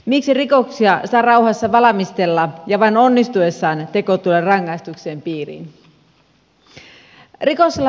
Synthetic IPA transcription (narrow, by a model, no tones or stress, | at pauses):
miksirikoksiɑsɑˑːrɑuhɑsːɑʋɑlɑmist̪elːɑjɑʋɑinonːist̪uesːɑːnt̪ekot̪ulerɑŋːɑist̪ukseːmpiːrḭːn | rikosːelːɑ